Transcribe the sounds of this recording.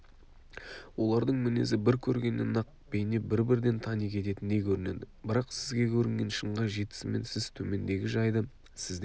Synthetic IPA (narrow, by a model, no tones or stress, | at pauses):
wo̞lˠɑɾd̪əɴmɪne̞̰zɪbɪɾkʲʰɵɾɡʲe̞nːe̞̰nɑq̚ | b̥ejne̞bɪɾbɪɾd̪e̞nt̪ʰɑnijkʲʰe̞t̪e̞t̪ɪnːe̞kʲʰɵɾɪne̞d̪ɪbɪɾɑqsɪzɡʲe̞kʲʰɵɾɪŋɡʲe̞nʃəɴʁɑʒe̞t̪ɪ̥sɪme̞̰nsɪzt̪ʰɵme̞nd̪e̞ɡʲɪʒɑjd̪ə | sɪzd̪e